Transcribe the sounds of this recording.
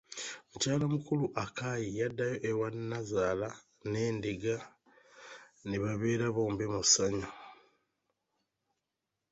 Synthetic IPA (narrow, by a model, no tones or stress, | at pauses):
mucaːlamukuluʔakajijadːajo̞ʔewanːazaːla | ne̞ːndiɡa | neβaβeːɾaβo̞ːmbemusaɲo